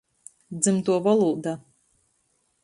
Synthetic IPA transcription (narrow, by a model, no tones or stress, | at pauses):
d̪zɨmt̪uɔvɔlˠuːd̪a